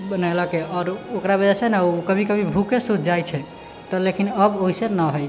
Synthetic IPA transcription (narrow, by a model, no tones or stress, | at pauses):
bənalɔkeɔɾokɾabəd͡ʒɛsenɛukəbʱikəbʱibʱukesutʰd͡ʒajt͡ʃʰɛ | t̪ɔlekinəboɦisenəɦoj